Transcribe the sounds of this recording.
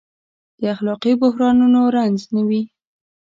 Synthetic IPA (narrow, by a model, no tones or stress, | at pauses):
d̪̥əaxlɑqibʊhɾɑnunoɾanznawi